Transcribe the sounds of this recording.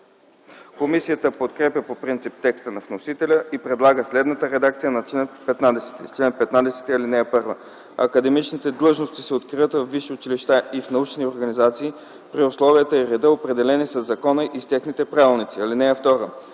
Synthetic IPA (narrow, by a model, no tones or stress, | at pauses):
komisijət̪əpot̪kɾɛpʲjəpopɾint̪sip̚t̪ɛkst̪ənɐvnosit̪ɛlʲəipɾɛd̪lˠaɡəslɛd̪nət̪əɾɛd̪ak̚t̪sijənɐt͡ʃlɛnpɛt̪nad̪ɛsɛ̥t̪ḭt͡ʃlɛnpɛt̪nad̪ɛsɛ̥t̪iɐlinɛpɤɾvə | ɐ̰kɐd̪ɛmit͡ʃnit̪ɛd̪lˠɤʒnost̪isɛot̪kɾiət̪vəvːiʃiʊt͡ʃiliʃt̪aʔifnɐut͡ʃnioɾɡɐnizat̪siː | pɾiʊslˠɔviət̪əiɾɛd̪əopɾɛd̪ɛlɛnisəzːɐkɔnəʔist̪ʲɛxnit̪ɛpɾavilˠnit̪siɐlinɛɛft̪ɔɾə